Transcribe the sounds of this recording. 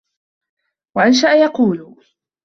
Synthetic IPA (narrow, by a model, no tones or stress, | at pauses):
waʔanʃ̬aʔajɑquːl